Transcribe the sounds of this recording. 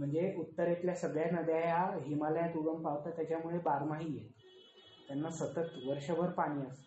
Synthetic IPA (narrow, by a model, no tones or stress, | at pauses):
m̤əɳd͡zeut̪ːəɾet̪ljasəɡɭjanəd̪jajaɦimaljat̪uɽəmpaʋt̪at̪jat͡ɕamuɭebaɾmaɦiːjet̪ | t̪janːasət̪ət̪ʋəɾʂəʋʱəɾpaɽ̃iːəs